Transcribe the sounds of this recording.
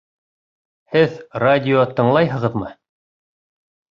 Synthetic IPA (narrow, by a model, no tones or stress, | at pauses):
hɘðradʲɪot̪ɤ̆ɴlˠɑjɦɤ̆ʁɤ̆ðmɤ